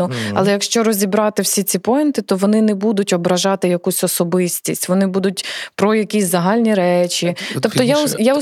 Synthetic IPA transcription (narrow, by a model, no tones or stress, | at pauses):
ʊɐ̰lˠɛjɐkʃt͡ʃɔɾɔzʲibɾɑt̪ɪwsʲit͡sʲipɔjɪnt̪ɪt̪ɔʋɔnɪnɛbud̪ʊtʲɔbɾɐʒɑt̪ɪjɐkusʲɔsɔbɪsʲtʲisʲtʲʋɔnɪbud̪ʊtʲpɾɔjɐkʲisʲzɐɦɑlʲnʲiɾɛt͡ʃit̪ɔpt̪ɔjajaʊ